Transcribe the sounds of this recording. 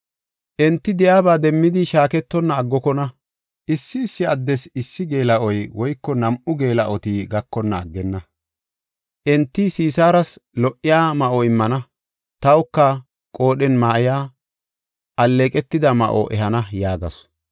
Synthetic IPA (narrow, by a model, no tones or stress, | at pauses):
ʔɛnt̪ːɪd̪ɪjaːbaːd̪ɛmːɪd̪ɪʃaːkɛt̪ːɔnːɐːɡːɔkɔnɐ | ʔɪsːɪːsːɪɐd̪ːɛsɪsːɪɡeːlɐɔjwɔjkːɔnɐmʔʊɡe̞ːlɐʔɔt̪iːɡɐkːɔnːɐːɡːɛnːɐ | ʔɛnt̪ːisiːsaːɾɐslɔʔɪjaːmɐʔɔɪmːɐnɐ | t̪ɐwʊkːɐ | kʼo̞ːɗɛnmaːɪjaː | ʔɐlːeːkʼɛt̪ːɪd̪ɐmɐ̰ʔo̰ʔɛɦɐnɐjaːɡɐ̰sɔ̥